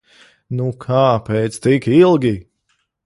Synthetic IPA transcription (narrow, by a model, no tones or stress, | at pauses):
nukʰaːpɛːt̪st̪ikilˠɡʲi